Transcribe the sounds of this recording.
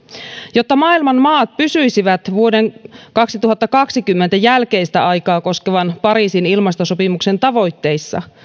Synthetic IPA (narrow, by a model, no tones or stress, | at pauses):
jo̞t̪ːɑmɑːilmɑnmɑːt̪̚pysyjsiʋæt̪ʋuo̞deŋkɑksit̪uɦɑt̪ːɑkɑksikymːent̪æjælke̞ist̪æɑjkɑːko̞skeʋɑnpɑɾiːsinilmɑst̪osopimukse̞nt̪ɑʋo̞jt̪ːe̞jsːɑ̰